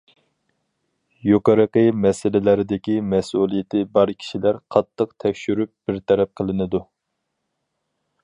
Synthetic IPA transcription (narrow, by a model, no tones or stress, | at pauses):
joqəɾəqəmɛsɪlɪlæɾɪd̪ɪkʲimɛsulˠijɪt̪ʰɪbɑɾkʲʰi̥ʃilæɾqʰɑt̪ʰːəqt̪ʰɛkʲʃyɾyp̚b̥ɪɾt̪ʰɛɾɛp̚qʰəlˠɨnɨd̪u